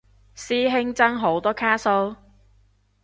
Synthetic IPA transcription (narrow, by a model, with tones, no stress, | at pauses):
siː˥ɦɪ˥ŋt͡sɐ˥ŋɦo˨˥wt̪ɔː˥kʰaː˥so˥w